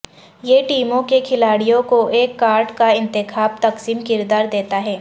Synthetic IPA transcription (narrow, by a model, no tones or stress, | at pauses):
jeːʈiːmõkekʰɪlaːɽijõkoʔeːkːaːɾɖkaɪ̃nt̪ɪxaːb̚t̪ɐqsiːmkɪɾd̪aːɾd̪eːt̪aɦɛː